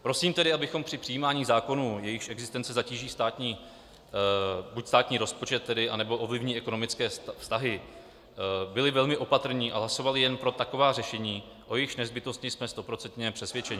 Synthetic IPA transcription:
pɾo̞siːmt̪ɛdɪabɪxo̞mpr̥ɪpr̝̥ɪjiːmaːɲiːzaːko̞nuːjɛjɪxʃʔɛɡzɪst̪ɛnt͡sɛzaciːʒiːst̪aːt̪ɲiː | bucst̪aːt̪ɲiːɾo̞spo̞t͡ʃɛt̪ːɛdɪʔanɛbo̞ʔo̞vlɪvɲiːʔɛko̞no̞mɪt͡skɛːfst̪aɦɪ | bɪlɪvɛlmɪʔo̞pat̪r̩ɲiːʔa̰ɦlaso̞valɪjɛnpɾo̞t̪ako̞vaːrɛʃɛɲiː | ʔo̞jɛjɪxʃnɛzbɪt̪o̞st̪ɲɪsmɛst̪o̞pɾo̞t͡sɛnt̪ɲɛpr̥ɛsvjɛt͡ʃɛɲɪ

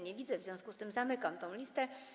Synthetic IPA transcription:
ɲɛvʲid̪zɛvzʲjɔ̃w̃skust̪ɘmzamɘkamt̪ɔ̃w̃lʲist̪ɛ

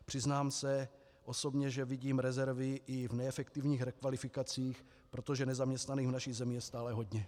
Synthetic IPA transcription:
pr̝̥ɪznaːmsɛ | ʔo̞so̞bɲɛʒɛviɟiːmɾɛzɛɾvɪʔɪvnɛɛfɛkt̪ɪvɲiːxɾɛkvalɪfɪkat͡siːx | pɾot̪o̞ʒɛnɛzamɲɛst̪naniːɦunaʃiɣzɛmɪjɛst̪aːlɛɦo̞d̪ɲɛ

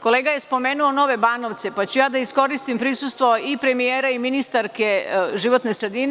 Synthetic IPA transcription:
ko̞le̞ːɡaje̞spo̞me̞ːnuono̞ʋe̞baːnoʋt̪se̞pat͡ɕujaːd̪aisko̞ɾist̪impɾisust̪ʋo̞ipɾe̞mijeːɾaiminist̪aɾkeʒiʋo̞t̪ne̞sɾe̞d̪in

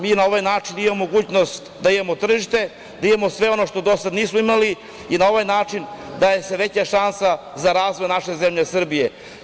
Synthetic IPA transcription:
miːnao̞ʋajnaːt͡ʂinimammmoɡuːt͡ɕno̞st̪d̪aimamot̪r̩ʒiʃt̪e̞ | d̪aimemo̞sʋe̞o̞no̞ʃt̪o̞d̪o̞sad̪niːsmoimali | inao̞ʋajnaːt͡ʂind̪ajeseʋe̞t͡ɕaʃansa | zaɾaːzvʋojnaʃezemʎesr̩bije̞

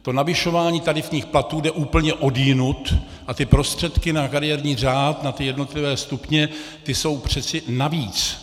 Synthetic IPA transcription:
t̪o̞navɪʃo̞vaːɲiːt̪adɪfɲiːxplat̪uːdɛʔuːpl̩ɲɛʔo̞djɪnut̪ | ʔat̪ɪpɾo̞st̪r̥ɛt̪kɪnakaɾɪjɛɾɲiːr̝aːt̪nat̪ɪjɛdno̞t̪lɪvɛːst̪upɲɛt̪ɪso̞wpr̝̥ɛt͡sɪnaviːt͡s

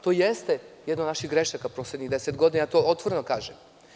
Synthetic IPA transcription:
t̪ojest̪ejɛd̪nod̪naʃiɣɡɾeʃakapɾosled̪ɲiɣd̪eset̪ɡo̞d̪inajat̪o̞ot̪ʋo̞ɾenokaːʒem

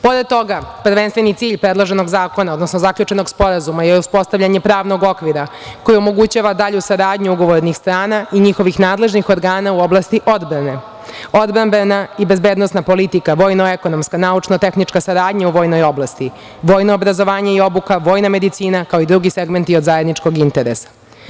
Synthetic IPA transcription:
po̞ɾet̪o̞ɡaprɾʋenst̪ʋenit̪siːʎpɾed̪lˠoʒeno̞ɡzaːko̞nao̞d̪nosnozakʎut͡ʃe̞no̞ɡspo̞ɾazumajeuspo̞st̪avʎaɲe̞pɾaːʋno̞ɡokʋiɾako̞jio̞mo̞ɡut͡ɕaːʋad̪aʎusaɾaːd̪ɲuuɡo̞ʋoɾnixst̪ɾaːnaiɲixo̞ʋixnaːd̪le̞ʒnixo̞ɾɡaːnauo̞blˠast̪iʔo̞d̪bɾane̞ | o̞d̪bɾambenaibe̞zbe̞ːd̪no̞snapo̞lit̪ikaʋo̞ːjnoeko̞no̞mskanaut͡ʂnot̪e̞xnit͡ʂkasaɾaːd̪ɲauʋo̞ːjno̞jo̞blˠast̪i | ʋo̞ːjnoːbɾazo̞ʋaːɲaio̞bukaʋo̞ːjname̞d̪it̪siːnakaoid̪ɾuɡiseɡme̞nt̪io̞d̪zaje̞d̪nit͡ʃko̞ɡint̪eɾesḁ

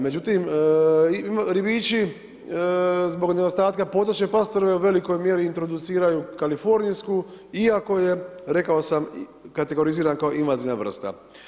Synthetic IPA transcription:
me̞d͡ʒut̪imimɾibit͡ʃi | zbo̞ɡned̪o̞st̪aːt̪kapo̞ːt̪ot͡ʃɲepast̪ɾoʋe̞uʋe̞liko̞jmje̞ɾiːnt̪ɾo̞d̪ut̪siːɾajukalifo̞ɾnijsku | iako̞je̞ɾe̞kaosamkat̪e̞ɡo̞ɾiziːɾankaoʔinʋazinaʋr̩st̪a̰

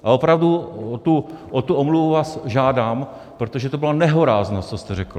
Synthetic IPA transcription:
ʔao̞pɾavduot̪uʔot̪uʔomluvuvaːsʒaːdaːm | pɾot̪oʒɛt̪obɪlonɛɦo̞ɾaːznot͡sost̪ɛɾɛkl̩

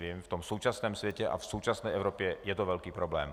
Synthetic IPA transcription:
vimft̪ɔmsowt͡ʃasnɛːmsvjɛcɛʔa̰fsowt͡ʃasnɛjʔɛʊɾɔpjɛjɛt̪ɔvɛlkiːpɾɔblɛːm

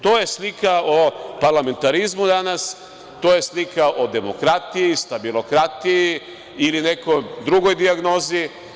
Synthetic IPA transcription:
t̪oːje̞slikaopaɾlame̞nt̪aɾizmud̪anas | t̪oːje̞slikaʔod̪e̞mo̞kɾat̪ijist̪abilˠo̞kɾat̪iji | iline̞kojd̪ɾuɡo̞jd̪iaɡno̞ːzi

